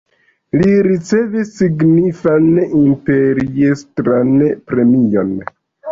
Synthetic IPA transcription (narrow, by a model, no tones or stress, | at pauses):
liɾit͡se̞visːiɡnifanimpe̞ɾiestɾanpɾe̞mio̞̰n